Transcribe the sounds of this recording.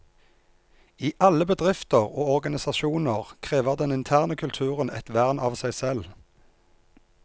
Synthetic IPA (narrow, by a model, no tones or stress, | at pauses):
iːʔɑləbəd̪ʁɪft̪əʁoːɔʁɡɑnɪsɑʃuːnəʁkʰʁeːʋəʁd̪ɛnɪnt̪ʰæːʁnəkʰʉlt̪ʰʉːʁənɛ̰t̪ʋæʁnɑːʋsæɪsɛl